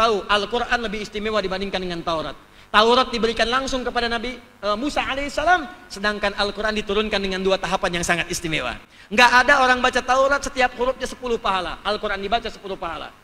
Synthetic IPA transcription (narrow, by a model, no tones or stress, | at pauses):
t̪auʔalkuɾʔanləbɪhːst̪imewadibandɪŋkandəŋant̪auɾa̰t̪̚ː | auɾat̪̚dibəɾikanlaŋsʊŋkəpadanabi | əmusaʕalesalamsədaŋkanalkuɾʔandit̪uɾʊnkandəŋanduat̪aɦapanjaŋsaŋat̪ist̪imewa̰ | ŋɡaʔːdaoɾaŋbat͡ʃat̪auɾat̪̚sət̪iap̚huɾʊp̚ɲasə̥pulʊhpaɦala̰ʔalkuɾandibat͡ʃasə̥pulʊhpaɦala̰